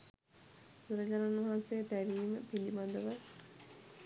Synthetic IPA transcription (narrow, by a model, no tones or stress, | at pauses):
t̪uɾɐd͡ʑaɾaunʋɐɦansejət̪æʋiːməpilimad̪əʋə